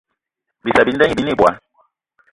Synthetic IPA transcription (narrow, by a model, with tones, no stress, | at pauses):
bi˨sa˨bi˨˦n˦dɛ˦ɲi˨bi˦ni˦˨bwa̰˨